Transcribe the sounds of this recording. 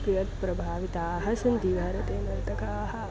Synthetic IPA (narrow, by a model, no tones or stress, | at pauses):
kɾijɐt̪̚pɾɐbʱaːʋit̪aːɦɐʃund̪iːʋʱɐɾɐt̪eːnɐɾt̪ɐkaːɦɐ